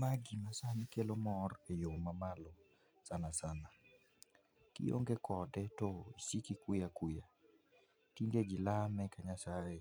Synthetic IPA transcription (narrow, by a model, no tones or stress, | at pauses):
maɡimasankelomɔrejomamalɔ | sanasana | kɪ̰jo̰ŋɡekɔdɛtoisikikwijakwija | tiŋɡeɡilamɛkaɲasaje